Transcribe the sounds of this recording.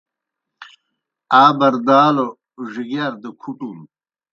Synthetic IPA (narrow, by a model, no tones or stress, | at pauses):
aːbɐɾd̪aːlo | ʐiɡɐɾd̪əkʰuʈun